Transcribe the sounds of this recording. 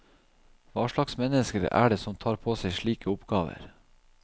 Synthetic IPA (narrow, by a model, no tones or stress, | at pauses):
ʋɑːʃɭɑksmɛnəskəɾə̰ʔæ̰ːɖeːsɔmt̪ʰɑːɾpʰoːseɪʃɭiːkəʊpɡ̥ɑːʋə̰ɾ